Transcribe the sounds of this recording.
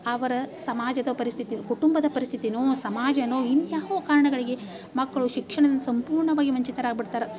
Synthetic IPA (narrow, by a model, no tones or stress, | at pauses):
ɐʋɐɾɐsɐmaːd͡ʒɐd̪ɐpɐɾist̪ʰit̪inkuʈumbɐd̪ɐpɐɾist̪ʰit̪inuːsɐmaːd͡ʒɐnoːinːjaːʋokaːɾɐɳɐɡɐɭiɡe̞ | mɐkːɐɭuʃikʂɐɳɐd̪ɐnːusɐmpuːɾɳɐʋaːɡiʋɐɲt͡ʃit̪ɐɾaːɡ̚biɽt̪aːɾɐ